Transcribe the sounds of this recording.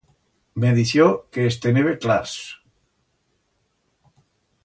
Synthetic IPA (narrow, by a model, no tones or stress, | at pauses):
meðiθjokeːst̪eneβeklas